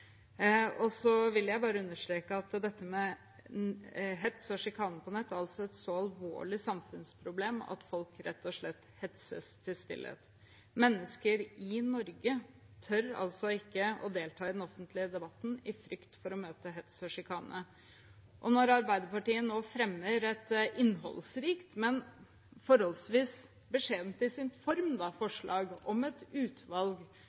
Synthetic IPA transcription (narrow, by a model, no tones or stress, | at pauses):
ɔsɔʋɪljæɪbɑːɾəʉnːəʂʈ̪ɾeːkəɑt̪d̪ɛt̪ːəmɛ | ɦɛt̪sɔʂɪkʰɑːnəpɔnɛt̪ːæɾɑlsɔɛt̪sɔɑlʋo̰ːɭɪsɑmfʉnspʰɾʊbleːmɑ̰t̪fɔlkɾɛt̪ʰːɔʂɭɛt̪ːhɛt̪sə̰st̪ʰɪlst̪ɪ̰lːə̰t̪ | mɛnːəskəɾɪnɔɾɡə | t̪ʰœɾɑ̰lsɔɪkːəɔ̰d̪eːlt̪ʰɑːɪd̪ɛnɔfənt̪lɪəd̪ɛbɑt̪n̩ɪfɾʏkt̪fɔɾɔmøːt̪əɦɛt̪sɔʂɪkʰɑːnə | ʔɔnɔɾɑɾbæɪd̪əpɑʈiːənoːfɾɛmːəɾɛt̪ʔɪnːɦɔ̰lsɾiːkt̪mɛn | fɔɾhɔlsʋiːs | bəʂeːd̪nt̪ɪsɪnfɔɾmd̪ɑfɔʂɭɑːɡɔmɛt̪ʉːt̪ʋɑlɡ